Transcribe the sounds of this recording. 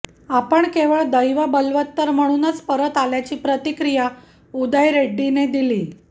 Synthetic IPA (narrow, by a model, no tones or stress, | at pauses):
apəɳkeʋəɭd̪əjʋabəlʋət̪ːəɾm̤əɽ̃uːnət͡spəɾət̪aljat͡ɕiːpɾət̪ikɾija | ud̪ajɾeɖːined̪iliː